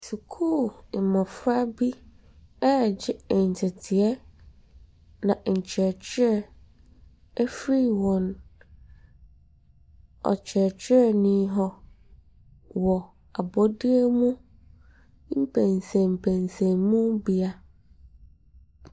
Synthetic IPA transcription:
su˨kʰu˦˨ɪ˨mã˨fɾa˦bi˦ | ɛ˦˨d͡ʑɪ˦˨ɲ̩˨tʰɛ˨tʰɪ˨ɛ˦ | nã˨ɲ̩˨t͡ɕʰɛ˨t͡ɕʰɪ˦ɾɛ˦˨ | ɛ˦fɾi˦wɔ̃˨n | ɔ̰˨t͡ɕʰɛ˨t͡ɕʰᶣɪ˦ɛ˦˨nĩ˦ɦɔ˨ | wɔ˨ | a˨bɔ˦di˦e˦mũ˦ | m̩˦pʰæ̃˨nsɛ̃˨m̩˨pʰæ̃˨nsɛ̃˨mũ˦bi˨a˦

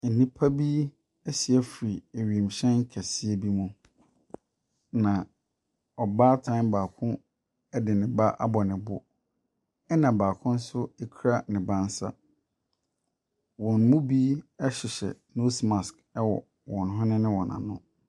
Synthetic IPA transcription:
n̩˨nĩ˦pʰa˦bi˦ | ɛ˦si˨ɛ˦fɾi˨e˨ɥi˨m̩˨ɕɛ̃˦ŋ̩˦kʰa˨si˦e˦bi˦mũ˦ | nã˨ | ɔ˨baː˦tʰã˦nbaː˨kʰʊ̃˦ | ɛ˦dɪ˨nɪ̃˨ba˦ʔa̰˦bɔ˨nɪ̃˨bʊ˦ | ɛ˦nã˨baː˨kʰʊ̃˦n̩˦sʊ˦e˦kʰu˦ɾa˦nɪ̃˨bã˦n˦sa̰˦ | wɔ̃˨nmũ˦bi˦ɛ˦ɕɪ˨ɕɛ̰˨no˦sma˨sk | ɛ˦wɔ̰˨ | wɔ̃˨nɦɔ̃˦nɪ̃˦nɪ̃˦wɔ̃˨nã̰˨nʊ̃˦

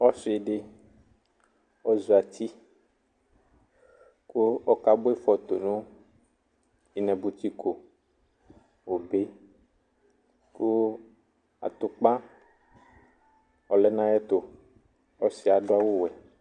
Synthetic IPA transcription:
ɔ˦si˨e˨ɖe˦ | ɔ˦zu˨a˨t̪ʰi˦ | ku˦ɔ˦ka˦bo˦e˦fɔ˨t̪o˨nũ˦ | i˨nɛ̃˨bu˨t̪i˦ko˨ | wo˨be˦ | ku˦ | a̰˨t̪o˨k͡pã˦ | ɔ˨lɛ˦nã˦jɛ˦t̪o˨ | ɔ˦si˨˦a˨ɖo˦a˦wo˦wɛ˨

